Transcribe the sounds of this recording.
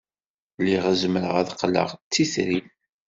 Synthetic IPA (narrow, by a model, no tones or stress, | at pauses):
lːiʁæzməɾəʁæðqlə̰ʁt͡sːiθɾin